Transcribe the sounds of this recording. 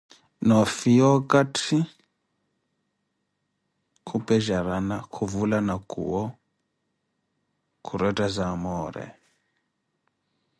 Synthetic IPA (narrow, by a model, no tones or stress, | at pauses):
nɔfijɔkʼatʰi | kʰupʼɛʒaɾanakʰuvulanakʼṵwɔ | kʰuɾɛtʼazamɔːɾɛ̰